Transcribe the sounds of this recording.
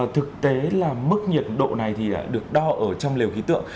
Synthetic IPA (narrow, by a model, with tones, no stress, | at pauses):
t̪ʰɨ˨˩k̚t̪e˨˦laː˨˩mɨ˦˥k̚ɲi˨˩ət̚ɗo̰˧˨na˨˩jt̪ʰi˨˩ɗa̰ː˧˩ɗɨ˨˩ək̚ɗɔ˧ʔəː˧˩t͡ɕɔ˧wŋ͡mle˨˩wxi˨˦t̪ɨ̰˧˨əŋ